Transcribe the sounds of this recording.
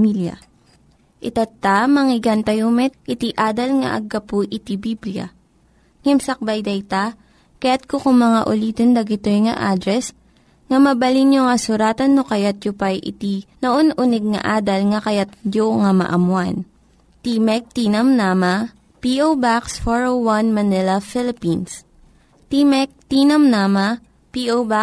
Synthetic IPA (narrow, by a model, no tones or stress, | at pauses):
miljɐ̰ | ʔɪt̪ɐt̪ːamɐŋɪɡant̪ɐjomɛt̪̚ʔɪt̪iʔaːd̪ɐlŋɐ̰ʔɐ̰ɡːɐpʊʔɪt̪ibibljɐ̰ | ŋɛmsɐk̚bɐjd̪ɐjt̪a | kɐjat̪̚kokʊŋmɐŋaʔʊliːt̪ond̪ɐɡɪt̪ojŋɐʔad̪ɾɛs | ŋɐmɐbɐlinjoŋɐsʊɾaːt̪ɐnːokɐjat̪̚jopajʔɪ̰t̪inoʔonʔʊnɛɡ̚ŋɐ̰ʔaːd̪ɐlŋɐkɐjat̪̚joŋɐmɐ̰ʔɐmwan | t̪imɛk̚t̪inɐmnaːmɐ | piʔobaksfoɹowwɐnmɐnɪlɐfɪlɪpins | t̪imɛk̚t̪inɐmnaːmɐ | piʔowba